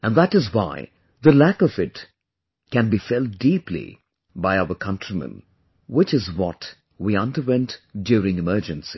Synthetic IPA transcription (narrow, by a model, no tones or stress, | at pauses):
æ̃nðætɨzwa̰ɪ | ðəlækʌvɪt | kɨ̃nbifɛlˠt̚diplḭ | baɪaʊə˞kʰʌ̃ntɹ̥imə̰̃n | wɪt͡ʃɨzwɔt | wiʌ̃ndəwɛ̃ntdjuɾɪ̃ŋɨmɜ˞d͡ʒɨ̃nsi̥